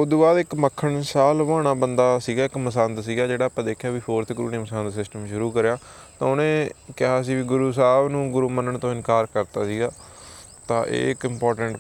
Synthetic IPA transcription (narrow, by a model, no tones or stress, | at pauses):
ʊd̪uːbaːd̪ɪkməkʰːəɳsaːlʋãːɽ̃aːbənd̪aːsiːɡaːɪkməsənd̪siːɡaːd͡ʒeːɽaːpãːd̪eːkʰjaːʋiːpʰoːɾt̪ʰeːɡʊɾuːnẽːməsənd̪sɪsʈəmʃʊɾuːkəɾjaːt̪ãːʊnẽːkɪɦaːs̬iːʋiːɡʊɾuːs̬aːbnũːɡʊɾuːmənəɳt̪õːɪnkaːɾkəɾt̪aːsiːɡaː | t̪ã̰ːʔḛːkɪmpɔːɾʈəɳʈ